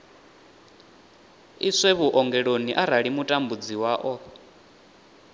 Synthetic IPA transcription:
isɛβuʔɔŋɡɛɺoniʔaɾaɺimutʼambud͡ziwaːʔɔ

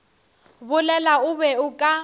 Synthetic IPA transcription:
bʊlɛlaʊβɛʊkʼa

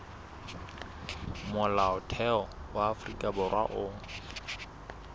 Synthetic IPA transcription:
mʊlaʊtʰɛɔwaːfrikʼabʊrwa̰ʔʊːŋ̩

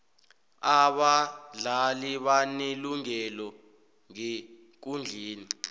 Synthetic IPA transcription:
aɓaɮaliɓaneluŋɛlɔ | ŋe | k̬und͡ɮʱeːni

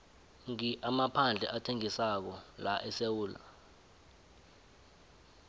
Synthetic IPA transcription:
ŋiʔamapʰand͡ɮʱɛ̰ʔatʰeŋisak̬ɔlaʔɛsewuːla̰

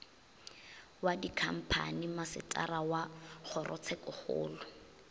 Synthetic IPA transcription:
wadikʰam̩pʰa̰nimasɪ̰tʰʼa̰rawaχʊrʔɔ̰t͡sʰɛkʊχʊ̰ːlɔ

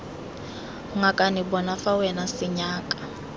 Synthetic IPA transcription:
ŋakʼanibɔnafawɛnasɪɲaːkʼḁ

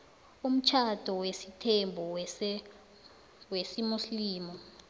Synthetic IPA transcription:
um̩t͡ʃʰad̥ʱɔwesitʰembʱɔw | wesimusliːmɔ

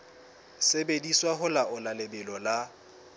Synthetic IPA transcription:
sebediswaɦʊlaʊlalɪbɪlɔla

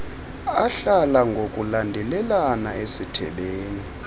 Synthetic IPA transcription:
aɬalaŋɡʱokʼulandʱɛlɛlanaesitʰɛ̰ɓeːni

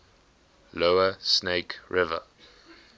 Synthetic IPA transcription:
loʊəsneɪkɹɪvə̰

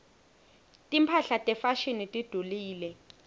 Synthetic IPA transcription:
tʼimpʰaɬatʼɛfaʃinitʼid̥ʱuliːlɛ

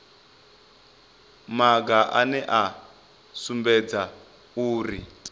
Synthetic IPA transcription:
maɡaʔa̰nɛʔa | sumbɛd͡za | uːri

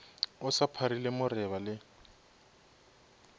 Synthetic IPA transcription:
ʊsapʰaɾilemʊrɛβalɪ

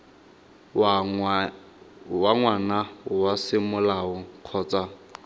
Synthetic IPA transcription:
waŋwanaʊwasɪmʊlaʊq͡χʰɔːt͡sʼa

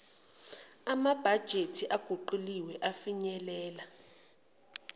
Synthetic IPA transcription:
amab̥ʱad̥ʒ̥ʱetʰiʔaɡ̥ʱuǃuliwɛʔafiɲɛlɛːla

